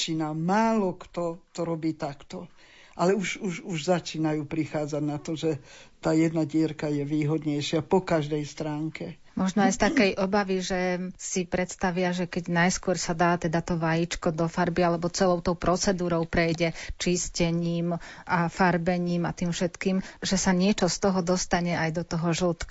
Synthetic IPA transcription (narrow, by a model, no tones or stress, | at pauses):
t͡ʃiːnamaːlɔkt̪ɔt̪ɔɾɔbiːt̪akt̪ɔ | ʔalɛuʒuʒuʒzat͡ʃiːnajuːpɾixaːd͡zaɟnat̪ɔʒɛt̪aːjɛd̪naɟɪɛɾkajɛʋiːɦɔd̪ɲɛjʃɪapɔkaʒd̪ɛjst̪ɾaːŋkɛ | mɔʒnɔajst̪akɛjʔɔbaʋiʒɛsipɾɛt̪st̪aʋɪaʒɛkɛɟnajskʊɔɾsad̪aːt̪ɛd̪at̪ɔʋajit͡ʃkɔd̪ɔfaɾbialɛbɔt͡sɛlɔʊt̪ɔʊpɾɔt͡sɛd̪uːɾɔʊpɾɛjɟɛt͡ʃiscɛɲiːmʔafaɾbɛɲiːmat̪iːmfʃɛt̪kiːmʒɛsaɲɪɛt͡ʃɔst̪ɔɦɔd̪ɔst̪aɲɛajd̪ɔt̪ɔɦɔʒl̩t̪k